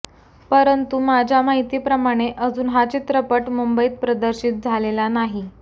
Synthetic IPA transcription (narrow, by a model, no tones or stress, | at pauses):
pəɾənt̪umad͡ʑʱjamaɦit̪iːpɾəmaɽ̃eʔəd͡zuːnɦat͡ɕit̪ɾəpəʈmumbəiːt̪̚pɾəd̪əɾɕiːt̪̚d͡zʱalelanaɦi